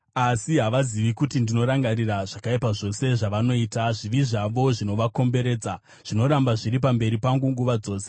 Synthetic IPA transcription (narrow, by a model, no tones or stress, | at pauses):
asiɦaʋaziʋikutindino̞ɾaŋɡaɾiraʐ̥akaipaʐo̞se̞ʐaʋano̞iːtaʐiʋiʐaʋo̞ʐino̞ʋako̞mbe̞ɾe̞ːd͡za | ʐ̥ino̞ɾambaʐiɾip̬ambe̞ɾipaŋɡuŋɡuʋad͡zo̞ːse